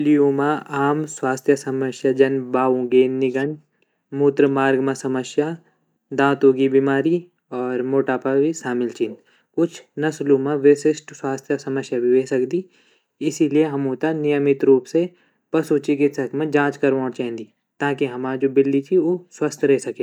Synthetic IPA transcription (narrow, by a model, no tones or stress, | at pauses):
lijumãaːmswaːst̪ʰjəsɐməʃjad͡ʒɐnbaːʋũɡeːnːɪɡəɳ | muːt̪ɾəmaːɾɡmãsɐməsja | d̪ãːt̪oːɡibiːmaːɾi | ɔːɾmoːʈaːpaʋisaːmɪlt͡ʃin | kʊt͡ʃʰnɐsluːmãʋeːsɪsʈswaːst̪ʰjəsɐməsjabʱiʋeːsɐkd̪i | ɪsilieɦɐmũːt̪anɪjəmɪt̪ɾuːpse | pɐsuːt͡ʃikɪsɐkmẽd͡ʒãːt͡ʃkɐɾʋãːɾt͡ʃɛɦɛ̃nd̪i | t̪aːkiɦɐmad͡ʒoːbɪlːit͡ʃʰiʋoːswɐst̪ʰɾɛɦsɐkẽː